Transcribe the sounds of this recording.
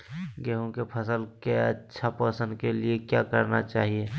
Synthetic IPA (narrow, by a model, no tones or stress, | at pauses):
ɡɛːɦõkepʰəsəlkeɐ̰tːʃʰapəsə̃nd̪keliekjakəɾnat͡ʃaːɦie